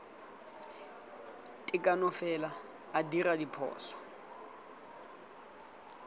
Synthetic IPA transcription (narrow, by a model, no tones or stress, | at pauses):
tʼɪkʼanɔfɛlaː | diradipʰɔ̰ːsɔ̥